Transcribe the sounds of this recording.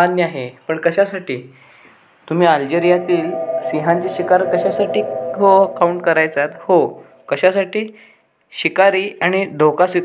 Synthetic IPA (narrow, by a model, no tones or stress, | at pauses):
anjəaɦepəɳkəɕasaʈiː | t̪um̤iːald͡ʑeɾijat̪iːlsiɦãɲt͡seɕikaɾkəɕasaʈiːɦoəkauɳʈ̚kəɾajt͡sat̪ho | kəɕasaʈiː | ɕikaɾiːaɽ̃id̪ʱokasi